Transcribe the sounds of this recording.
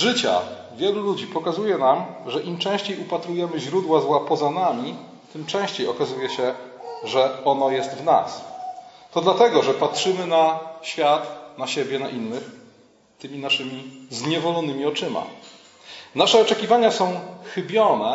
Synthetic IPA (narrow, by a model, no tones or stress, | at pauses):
ʐɘt͡ɕa̰ | vʲjɛlulud͡ʑipɔkazujɛnamʐɛʔimt͡ʂɛ̃w̃ɕt͡ɕejupat̪ɾujɛmɘʑɾud̪wazwapɔzanamʲi | t̪ɘmt͡ʂɛ̃w̃ɕt͡ɕejɔkazujɛɕɛʐɛɔnɔjɛst̪vna̰st̪ɔd̪lat̪ɛɡɔʐɛpatʂɘmɘnaɕfʲjat̪naɕɛbʲjɛnaʔinːɘx | t̪ɘmʲinaʂɘmʲizɲɛvɔlɔnɘmʲiɔt͡ʂɘma̰ | naʂɛɔt͡ʂɛkʲivaɲasɔ̃w̃xɘbʲjɔnɛ